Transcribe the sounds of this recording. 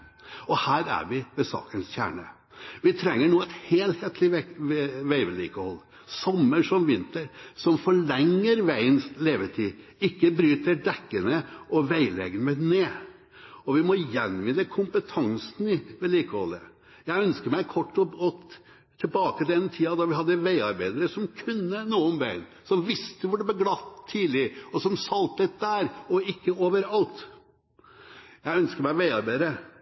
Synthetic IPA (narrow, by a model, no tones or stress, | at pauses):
ɔhæːɾæ̰ɾʋɪʋɛsɑ̰ːkənsçæ̰ːɳə | ʋɪt̪ʰɾɛŋːəɳuːɛt̪heːlheːt̪ʰlɪɛʋæɪʋɛlḭːkəhɔlː | sɔmːəʂɔmʋɪnt̪əɾsɔmfɔɭɛŋːəɾʋæɪənsleːʋət̪ʰiː | ɪkːəbɾyːt̪əɖɛkːənəɔʋæɪlɛ̰ɡənmɛneː | ɔʋɪmɔjɛnʋɪnːəkʰʊmpət̪ʰɑŋsn̩ɪʋɛliːkəhɔ̰lːə̰ | jæɪœnskəɾmæɪkʰɔʈːɔɔ | t̪ʰɪlbɑːkəd̪ɛnt̪ʰiːɑd̪ɑʋɪɦɑd̪ːəʋæɪɑɾbæɪd̪əɾəsɔmkʰʉnːənuːənʋæɪn | sɔmʋɪst̪əʋʊɖ̪ɛb̪ɛɡlɑt̪ʰːiːlɪɔsɔmsɑlt̪ət̪̚d̪æːɾɔɪkːəoːʋəɾɑlt̪ | jæɪœnskəɾmæɪʋæɪɑɾbæɪd̪əɾə